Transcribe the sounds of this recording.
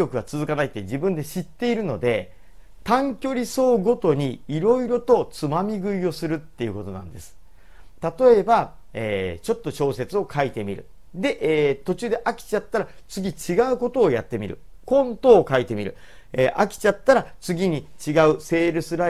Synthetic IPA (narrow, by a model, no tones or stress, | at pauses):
o̞kɯ̟βat͡sɨzɨkanait̪ːe̞d͡ʑibɯ̟̃nd̪e̞ɕit̪ːe̞iɾɯ̟no̞d̪e̞ | t̪ãŋkʲo̞ɾʲiso̞ːɡo̞t̪o̞ɲ̟iːɾo̞iɾo̞t̪o̞t͡sɨmamʲiɡɯ̟io̞sɨɾɯ̟t̪ːe̞iɯ̟ko̞t̪o̞nã̰nd̪e̞sɨ̥ | t̪at̪o̞e̞ba | eːt͡ɕo̞t̪ːo̞ɕo̞ːse̞t͡sɨo̞kʰait̪e̞mʲḭɾɯ̟̰ | d̪e̞ʔt̪o̞t͡ɕɨːd̪eʔakʲi̥t͡ɕat̪ːaɾat͡sɨɡʲit͡ɕiɡaɯ̟ko̞t̪o̞ːjat̪ːe̞mʲḭɾɯ̟̰ | kõ̞nt̪o̞ːkait̪e̞mʲiɾɯ̟̰ | eʔakʲi̥t͡ɕat̪ːaɾat͡sɨɡʲiɲ̟it͡ɕiɡaɯ̟se̞ːɾɯ̟sɨɾa